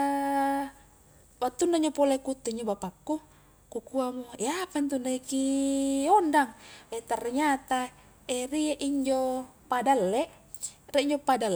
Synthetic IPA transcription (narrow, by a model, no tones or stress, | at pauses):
wat̪ːunːaiɲd͡ʒopolekut̪ːeiɲd͡ʒobapakːu | kukuamoeapant̪unːaikiondaŋet̪arːeɲat̪a | erieʔiɲd͡ʒopadalːeʔ | riʔiɲd͡ʒopadal